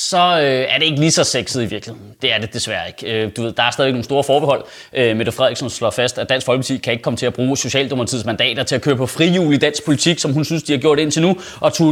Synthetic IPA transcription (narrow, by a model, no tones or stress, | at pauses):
sɒ̽øæɐɾ̥e̝eɡ̥lisɒ̽seɡ̥sð̩ˠiʋiɐɡ̥liheðˠn̩d̥e̝æɐd̥e̝d̥e̝sʋæɐe̝ɡ̥ød̥uʋe̝ð̰ˠd̥ɑ̈æɐsdɛðˠeɡ̥no̝ːŋ̩nsdo̝ːɐfɒːb̥eɦɒ̽l̰ | ʔømed̥efʁɛð̰ˠiɡ̥sɒ̽mslɒ̰fæsd̥æd̥æn̰sɡ̥fɒ̽lɡ̥ə̥t͡sʰikʰæe̝ɡ̥əkʰɒ̽mət͡sʰe̝æb̥ʁuːso̝ɕɛ̰ːld̥ɔ̽mɐt͡sʰið̰ˠsmænd̥ɛ̰ːd̥ɐt͡sʰe̝lækʰøːɐpʰɒ̽fʁijuːlid̥æn̰sɡ̥pʰo̝lit͡sʰiɡ̥sɒ̽mɦunsynsd̥iɑ̈ɡ̥jo̝ɐ̰ɾ̥e̝n̰t͡sʰe̝lnu | ʔɒ̽t͡sʰu